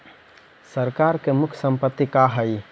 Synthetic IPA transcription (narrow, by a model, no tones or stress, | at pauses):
səɾkaɾkemʊkʰsə̃mpət̪ːikaɦəj